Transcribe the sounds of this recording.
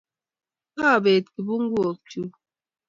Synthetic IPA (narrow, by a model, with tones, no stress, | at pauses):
ka˦˨be˨t̚ki˨bu˦ŋ̩˦ɡo˨k̚tu˦